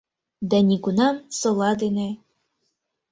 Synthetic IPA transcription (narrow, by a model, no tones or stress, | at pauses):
d̪ænʲiɡunɑmsŏlˠɑd̪ene